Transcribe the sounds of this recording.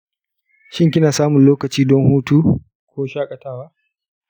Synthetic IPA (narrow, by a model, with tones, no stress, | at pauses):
ʃɪ˦ŋkʲɪ˦naː˨saː˦mʊ˨nloː˦kɐ˨t͡ʃiː˦dɔ˦ŋhuː˦tuː˦ | kʷoː˦ʃaː˦kʼɐ˨taː˦waː˦ʔ